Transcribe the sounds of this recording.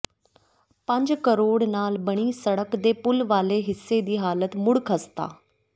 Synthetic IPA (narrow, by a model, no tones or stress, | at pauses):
pə̃ɲd͡ʒkəɾoːɽnaːlbəɽ̃iːsəɽəkd̪eːpʊlʋaːleːɦɪsːed̪iːɦaːlət̪mʊɽkʰəst̪a̰ː